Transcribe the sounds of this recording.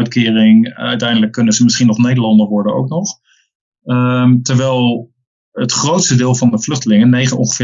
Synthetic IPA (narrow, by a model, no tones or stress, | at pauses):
ɥtkɪːrɪŋœɥtɛjndələkːɵnənzəmɪsχinɔχnejdəɹlɑndəɹʋɔɹdəno̰wknɔχ | mtəɹʋɛjlˠ | ətχrowtstədɪːlˠvɑndəvlɵχtəlɪŋənːejχənɔ̰̃ŋχə̥v̥ɪ